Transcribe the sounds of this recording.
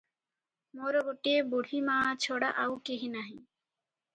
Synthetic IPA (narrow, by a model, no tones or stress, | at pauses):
moɾoboʈieboɽ̤ʱimãːt͡ɕʰoɽaʔawkeɦinaɦĩ